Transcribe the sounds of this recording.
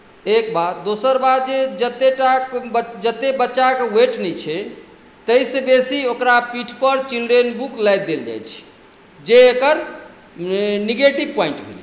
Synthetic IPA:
ek̚bad̪d̪osəɾbad̪̚d͡ʒed͡ʒət̪ːeʈakd͡ʒət̪ːebətːʃakeweʈnɛt͡ʃʰɛ | t̪əjsẽbesiokɾapiʈʰpəɾt͡ʃilɖɾenbuklajd̪eld͡ʒa̰jt͡ʃʰi̥ | d͡ʒeːkəɾ | niɡeʈibpajĩɳʈbʱḛli

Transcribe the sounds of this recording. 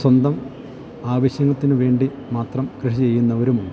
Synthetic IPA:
swɐnd̪ɐm | aːʋɐɕjɐŋːɐt̪ːinɨʋe̞ːɳɖi | maːt̪rɐmkrɨʂit͡ɕe̞jːunːɐoɾumuɳɖɨ

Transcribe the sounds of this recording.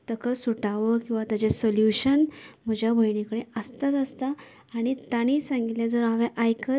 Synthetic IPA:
t̪əkʰəsuʈaʋəkĩw̃ʋat̪ad͡ʑesoljuɕənm̤əd͡ʑʱjabʱəjɳikəɽeəst̪at̪əst̪aː | ɽ̃it̪aɽ̃iːsãŋɡit̪lẽd͡zoɾɦaʋẽʔajkə

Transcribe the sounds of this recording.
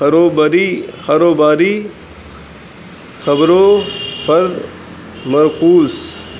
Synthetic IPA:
ɐɾoːbaɾixɐɾoːbaːɾiː | xɐbɾoːpʰɐɾ | mɐɾkuːs

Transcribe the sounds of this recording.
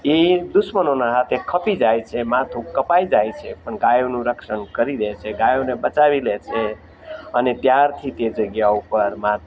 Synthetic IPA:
id̪usmənonaɦat̪ʰekʰʌpid͡ʒajt͡ʃʰemat̪ʰukəpajd͡ʒajt͡ʃʰepənɡajonuɾəkʃənkəɾilet͡ʃʰeɡajonebət͡ʃaβilet͡ʃʰe | ənit̪jaɾt̪ʰit̪ed͡ʒəɡjaupəɾmat̪ʰ

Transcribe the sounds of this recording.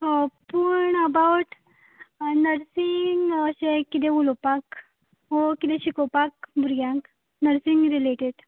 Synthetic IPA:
ɦopuɳəbawʈ | nəɾsiŋɡəɕekːid̪eulopak | ɦokit̪ẽɕikopak̚bʱuɾɡjãk | nəɾsiŋɡɾileʈeɖ

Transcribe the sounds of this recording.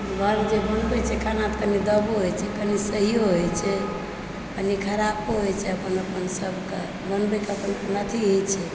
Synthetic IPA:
ɡʱəɾd͡ʒebənbɛt͡ʃʰɛkʰanat̪kənid̪əboɦojt͡ʃʰɛkənisəɦijoɦojt͡ʃʰɛ | kənikʰəɾapoɦot͡ʃʰɛəpənəpənsəbʱke | bənbɛkeəpənpnət̪ʰiɦojt͡ʃʰɛ

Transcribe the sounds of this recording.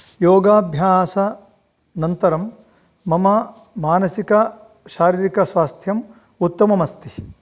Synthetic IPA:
joːɡaːbʱjaːsɐ | nɐnt̪ɐɾɐmː | ɐmɐ | maːnɐsikɐ | ʃaːɾiːɾikɐsʋaːst̪ʰjɐm | ut̪ːɐmɐmɐst̪i̥

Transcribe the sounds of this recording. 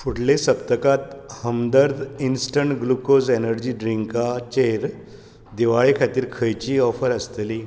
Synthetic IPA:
fuʈlesəp̚t̪əkat̪həmd̪əɾd̪insʈəɳʈɡlukozenəɾd͡ʑiːɖɾiŋkat͡ɕeɾ | d̪iʋaɭekʰat̪iːɾkʰəjt͡ɕiːɔfəɾəst̪li

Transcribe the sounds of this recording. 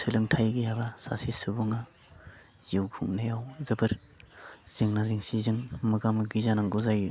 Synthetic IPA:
sʰɯlɯŋtʰajɡɯjabasa̰sisɯbuŋa | z̥iiwkʰuŋnajawzɯbɯɾ | z̥ɯŋnaziŋsizɯŋmɯɡamɯɡizanaŋɡuzaju

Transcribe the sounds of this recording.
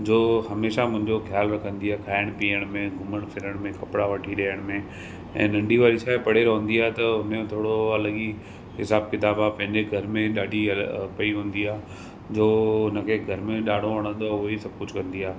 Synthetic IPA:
d͡ʑoːhɐmeːʃamʊ̃ɦɪ̃ɲd͡ʑoxjaːlʋekɐ̃nd̪iaːkʰaːɪɽ̃piːəɽ̃mẽɡʱʊməɽ̃fʰɪɾəɽ̃mẽkɐpɽaʋɐʈʰiɗɐːəɽ̃mẽ | ɛ̰̃ːnɐ̃ɳɖʱiʋaːɾiʃaːepɐɽeɾoɦʊ̃ːnd̪iaːɦet̪ɐʊnmẽt̪ʰoːɽoɐləɠi | ɦɪsaːb̚kɪt̪aːbaːpɐ̃ɦɪ̃ɲd͡ʑeɡʱɐɾmẽɗaːɖʱiɐlpɐiɦũːnd̪iaː | d͡ʑoːʊnə̆kʰeɡʱɐɾmẽɗaːɖʱoʋɐɽ̃ə̃nd̪oaʊɦoisɐb̚ʱkʊd͡ʑʱkɐ̃nd̪iaː

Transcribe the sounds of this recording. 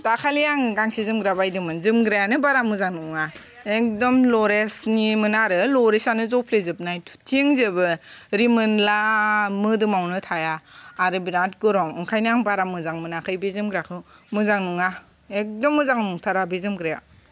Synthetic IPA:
dakʰalijaŋɯɡaŋsizɯmɡɾabajdɯmɯnzɯmɡɾajanɯbaɾamɯzaŋnuŋa | ek̚dɔmlɔɾesnimɯnaɾɯlɔɾesanɯzɔpʰlezɯp̚najtʰtʰiŋzebɯɾimɯnlamɯdɯmawnɯtʰajaːɾɯbiɾant̚ɡɯɾɔŋɯŋkʰajnaŋbaɾamɯzaŋmɯnakʰɯjbezɯmɡɾakʰɯmɯzaŋnuŋa | ek̚dɔmːɯzaŋnuŋtʰaɾabezɯmɡɾaja̰

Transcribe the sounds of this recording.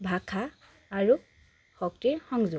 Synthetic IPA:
bʱakʰaː | ɹu | xɔk̚tiɹxɔŋzʊ

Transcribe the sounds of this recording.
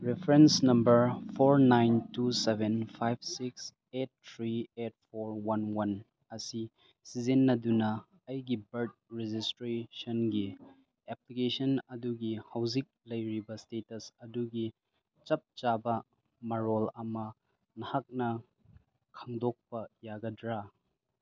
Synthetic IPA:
ɾepʰɾensnɐmbɐɾpʰoɾnajntusebenpʰajb̚siks | et̚tʰɾiet̚pʰoɾwɐnwɐn | ɐsi | sizinːɐdunɐ | ɐjɡibɐɾt̚ɾed͡ʒistɾesonɡi | eplikesɐnɐduɡihawzik̚lɐjɾibɐstetɐsɐduɡi | t͡ʃɐp̚t͡ʃabɐ | mɐɾolɐmɐ | nɐhak̚nɐ | kʰaŋdok̚pɐjaɡɐdɾa

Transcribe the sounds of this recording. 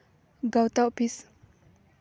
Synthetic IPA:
ɡawt̪aopis

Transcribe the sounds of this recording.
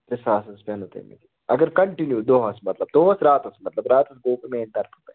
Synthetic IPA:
pɾɪsaːsɐspɐnot̪ḛmḛt̪i | ɐ̰ɡəɾkɐɳʈinjud̪oɦɐsmɐt̪lɐb̚d̪oːɦɐsɾaːt̪ɐsmɐt̪lɐbɾaːt̪ɐsɡoːpemẽːnt̪ɐɾfupɐ̰

